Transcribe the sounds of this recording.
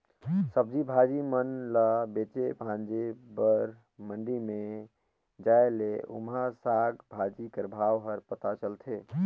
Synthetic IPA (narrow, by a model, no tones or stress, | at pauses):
səb̚d͡ʒibʱad͡ʒimənlabet͡ʃebʱãnd͡ʒebəɾ | məɳɖime | d͡ʒaeleṵmasaɡbʱad͡ʒikəɾbʱawɦəɾpət̪at͡ʃəlt̪ʰe